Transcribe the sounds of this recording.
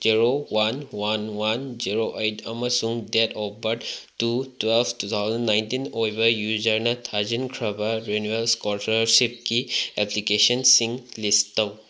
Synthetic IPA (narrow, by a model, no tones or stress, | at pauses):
ziɾowanwanwanziɾoʔejtɐmɐsuŋdetɔbɐʈtutwelbtut̪ʰawzɐnːajntinojbɐjuzɐɾnɐt̪ʰazinkʰɾɐbaɾenuelskɔtɐɾsip̚kiɛplikesɔnsiŋlistɐw